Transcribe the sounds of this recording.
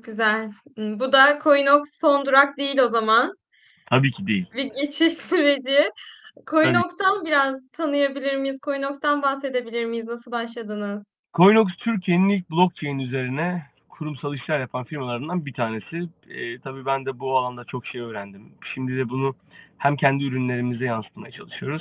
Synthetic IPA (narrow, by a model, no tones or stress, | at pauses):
okɟyzæl̩ʲːbud̪akʰo̞jnoksːo̞nd̪uɾak̚d̪ejilʲo̞zaman | t̪ʰabiːcʰid̪ejilʲbiɟe̞t͡ʃʰiʃsyɾe̞d͡ʒɪkʰo̞jnokst̪anbiɾazt̪ʰanɯjabilʲiɾmijiz̥kʰo̞jno̞kst̪anbaxse̞d̪e̞bilʲiɾmijiznasɯlˠbaʃlˠad̪ɯnɯz̥ | kʰo̞jno̞kst̪ʰyɾcʰjeninilʲc̚blˠo̞k̚t͡ʃʰejnyze̞ɾinɛ | kʰuɾumsalˠɯʃlˠaɾjapʰanfiɾmalˠaɾɯnd̪anbit̪ʰaːne̞sɪ | ɛːt̪ʰabiːbænd̪ɛbualˠand̪at͡ʃʰo̞kʃe̞jø̞ːɾænd̪imʃimd̪id̪ɛbunu | hæmcʰɛnd̪iyɾynlʲe̞ɾimizɛjansɯ̥t̪majat͡ʃʰalˠɯʃɯjo̞ɾuz̥